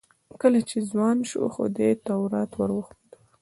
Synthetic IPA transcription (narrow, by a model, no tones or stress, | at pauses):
kəlat͡ʃezwɑnʃṵxo̰d̪et̪awɾat̪waɾwəxpod̪u